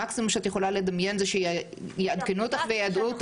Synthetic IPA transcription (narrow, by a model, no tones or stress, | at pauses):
aksimumʃeat̪jeχo̞lale̞d̪amje̞nzeʃej | jead̪kenut̪aχvejad̪uot̪